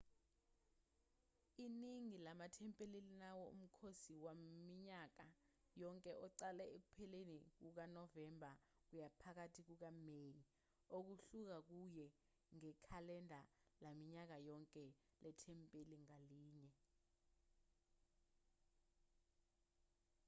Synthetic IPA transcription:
iniŋilamatʰɛmpʼelilinawɔṵm̩kʰosiwamiɲak̬a | jɔŋkʼɛʔɔǀalɛek̬upʰɛlenik̬uk̬anɔvɛmbʱa | k̬ujapʰak̬atʰik̬uk̬ameji | ok̬uɬuk̬ak̬ujɛ | ŋɛkʰalɛndʱalamiɲak̬ajɔŋkʼɛlʔɛtʰɛmpʼeliŋaliːɲɛ

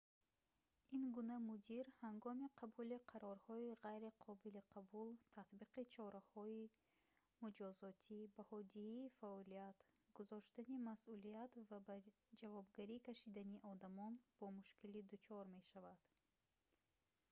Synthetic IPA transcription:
inɡunamud̪iɾhaŋɡɔmiqʰabuliqʰaɾɔɾhɔiʁajɾiqʰɔbiliqʰabult̪ʰat̪biqit͡ʃʰɔɾahɔi | mud͡ʒɔzɔt̪ʰibahɔd̪ihiːfaɔliat̪ɡ̥uzɔʃt̪animasulijat̪vaba | d͡ʒavɔbɡaɾikʰaʃid̪aniʔɔd̪amɔnb̥ɔmuʃkilid̪ut͡ʃʰɔɾme̞ʃavad̪̥

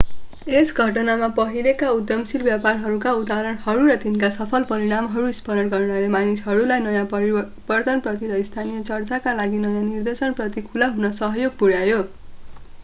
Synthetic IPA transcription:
esɡʱʌʈʌnamapʌɦilekaud̪jʌmsilbjaparɦʌɾukaud̪aɾʌɽhʌɾuɾʌt̪inkasʌpʰʌlpʌɾiɽ̃amɦʌɾuispʌnʌɽɡʌrnalemanisɦʌɾulajnʌjã | bʌrd̪ʌnprʌt̪iɾʌist̪ʰanijʌt͡sʌrt͡sakalaɡinʌjãnird̪esʌnprʌt̪ikʰulaɦunʌsʌɦʌjoɡ̚puɽjajo

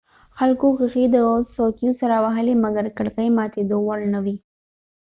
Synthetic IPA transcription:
xalkoxəxid̪əsokjusaɾawaɦəlemaɡaɾkaɽkajmɑt̪ed̪owalnawi

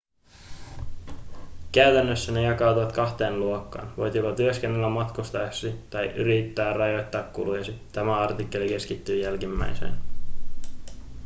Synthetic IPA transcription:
kæɥt̪ænːøsːæne̞jɑkɑˑːt̪uʋɑt̪kɑht̪e̞ːnluokːɑ̰ːnʋo̞̰jt̪opɑt̪yøsk̟enːelːæmɑt̪kust̪ɑɑksit̪ɑjʔy̰ɾit̪ːæːrːɑjot̪ːɑːkkṵlujɑsit̪æmæɑrt̪ikːe̞lik̟e̞skit̪ːyːjælk̟imːæ̰jsḛn

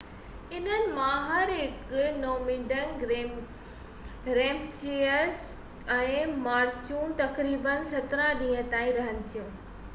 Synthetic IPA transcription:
ɪn̤ənɪ̆mãɦɐɾɦɪknɔːmiːɖən | ɾeːmt͡ɕeəs | ɛ̃ːmaːɾt͡ɕuːnt̪ɐkɾiːbənsɐt̪ɾãɗĩːə̃t̪ãːĩɾɐɦənɪ̆t̪ʰijũː

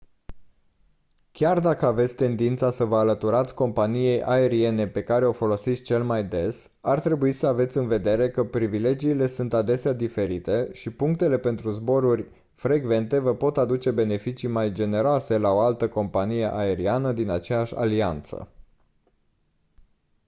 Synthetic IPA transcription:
kʲard̪akəave̞t̪sʲt̪e̞nd̪int̪sasəvəalət̪uɾat̪sʲko̞mpanije̞jʔae̞ɾie̞ne̞pe̞kaɾe̞o̞fo̞lo̞sit̪sʲt͡ʃe̞lmajd̪e̞s | art̪ɾe̞buisəave̞t̪sʲɨnve̞d̪e̞ɾe̞kəpɾivile̞d͡ʒiːle̞sunt̪ad̪e̞sead̪ife̞ɾit̪e̞ʃipuŋk̚t̪e̞le̞pe̞nt̪ɾuzbo̞ɾurʲ | fɾe̞ɡve̞nt̪e̞vəpo̞t̪ad̪ut͡ʃe̞be̞ne̞fit͡ʃimajd͡ʒe̞ne̞ɾoase̞lao̞alt̪əko̞mpanije̞ʔae̞ɾianəd̪inat͡ʃejaʃʲa̰lia̰nt̪sə̰

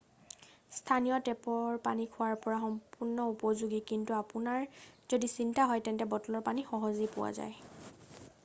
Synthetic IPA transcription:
stʰanijɔtɛpɔɹpanikʰʊwaɹpɔɹaxɔmpuɹnːɔupɔzuɡikintuapunaɹz̥odisintaɦɔjtɛntɛbɔtɔlɔɹpanixɔɦɔzipʊwa̰za̰j

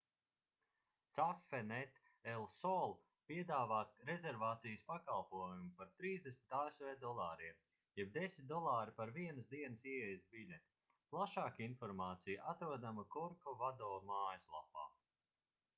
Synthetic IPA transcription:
t̪safːɛnɛt̪ | ɛlˠsɔːlˠ | piɛd̪aːvaːt̪ɾezʲɛɾvaːt̪sijəspakalˠpuɔjumupaɾt̪ɾiːzd̪esmit̪aːesvɛːd̪ɔlˠɑːɾiɛm | jɛb̚d̪esit̪̚d̪ɔlˠaːɾipaɾviɛnəsd̪iɛnəsiɛɛjsbilʲet̪ | plˠaʃaːkinfɔɾmaːt̪sijʔat̪ɾuɔd̪amakuɾkɔvad̪ɔːmaːjəslˠa̰pa̰ː

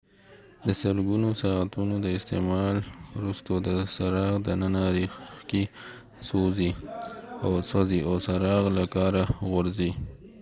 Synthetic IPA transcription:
d̪əsəɾɡunosɑat̪unod̪əɪst̪emɑlɾust̪od̪əsaɾɑɣd̪ənənaɾixki | sozi | awsaziawsaɾɑɣlakɑɾaɣʊɾzi

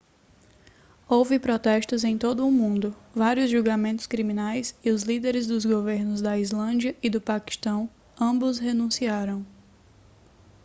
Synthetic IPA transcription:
owvɪpɾɔt̪ɛʃt̪ʊzẽj̃t̪od̪ʊːmũnd̪ʊvaɾiʊzʒuwɡamẽnt̪ʊ̥skɾimĩnajsɪʊzlid̪eɾɪzd̪ʊzɡoveɾnʊzd̪ɐizlɐ̃d͡ʒiɐʔɪd̪ʊpaki̥ʃt̪ɐ̃w̃ | ɐ̃mbʊshenũsiaɾɐ̃w̃

